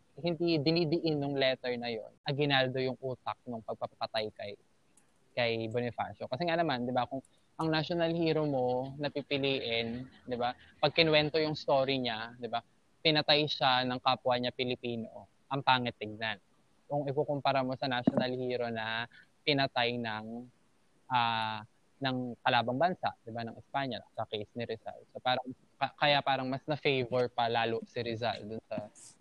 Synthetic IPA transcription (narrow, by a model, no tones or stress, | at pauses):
hɪnd̪id̪ɪnid̪ɪʔɪnjʊŋlɛt̪ɛɹnɐjo̞̰nɐɡɪnaːld̪o̞jʊŋʔuːt̪ɐk̚nʊŋpɐɡ̚pɐpɐpɐt̪ajkɐj | kɐjbonɪfa̰ːʃokɐsɛŋanɐmand̪ɪbakʊŋ | ʔɐŋnaʃonɐlhiːɾo̞mo̞nɐpipɪliːʔɪnd̪ɪbapɐɡ̚kɪnwɛnt̪ojʊŋst̪o̞ːɾiɲad̪ɪba | pɪnɐt̪ajʃanɐŋkaːpwaɲapɪlɪpiːno̞̰ | ʔɐŋpaːŋɐt̪ːɪɡ̚nan | oŋɪkokompɐɾɐmo̞sɐnaʃonɐlhiːɾo̞nɐ | pɪnɐt̪ajnɐŋ | ʔaː | nɐŋkɐlaːbɐŋbɐnsa̰ʔd̪ɪbanɐŋʔɪspaɲɐsɐkejsnɪɾɛza̰lsopaːɾɐŋ | kɐkɐjapaːɾɐŋmɐsnɐfejvɛɹpɐlaːloʔsɪɾɪza̰ld̪ʊnsɐ